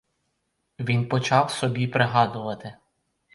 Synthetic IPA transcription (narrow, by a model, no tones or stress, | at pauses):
ʋʲinpɔt͡ʃɑwsɔbʲipɾɪɦɑd̪ʊʋɐt̪ɪ